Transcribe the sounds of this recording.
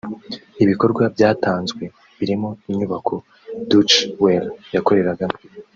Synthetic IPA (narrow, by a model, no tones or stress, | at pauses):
iβiko̞ɾɡwabjaːtaːnzɡwe̞ | βiɾimo̞imɲuβakʰo̞ | dut͡ʃweljako̞ɾe̞ɾaɡam